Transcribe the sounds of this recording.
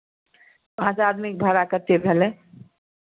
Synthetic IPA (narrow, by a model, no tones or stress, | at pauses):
asaːd̪mik̚bʱəɾakəɾt̪ebʱele